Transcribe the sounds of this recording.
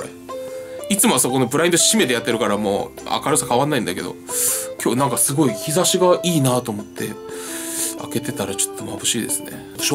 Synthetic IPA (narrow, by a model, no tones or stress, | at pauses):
ɾe | it͡sɨmosako̞nobɯ̟ɾaĩnd̪oɕime̞t̪e̞jat̪ːe̞ɾɯ̟kaɾamo̰ːa̰kaɾɯsakaβanːaĩnd̪ake̞d̪o̞̰kʲʰo̞ːnãŋkasɨɡo̞içizaɕiɡaʔiːnaːt̪o̞ːmo̞t̪ʰːe̞̰ | a̰ke̞t̪e̞t̪aɾat͡ɕo̥t̪ːo̞mabɯ̟ɕiːd̪e̞sɨne̞̰ | o